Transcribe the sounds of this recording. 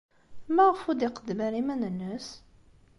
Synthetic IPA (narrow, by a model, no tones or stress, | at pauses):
mæʁəfud̪ɪqəd̪mæɾimænənːəs